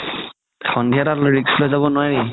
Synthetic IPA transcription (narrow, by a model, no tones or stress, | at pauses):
xɔndʱiatatɹikslojzaβɔnoaɹi